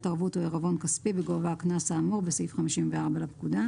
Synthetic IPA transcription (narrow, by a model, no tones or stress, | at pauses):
taʁbutoeʁavo̞nkaspibeɡovaːknasaːmuʁbesifχamiʃimveaʁbalapkud̪a